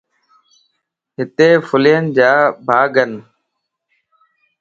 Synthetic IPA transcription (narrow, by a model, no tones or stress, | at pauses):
ɦɪt̪eːfʰʊliːənd͡ʒaːbʱaːɡən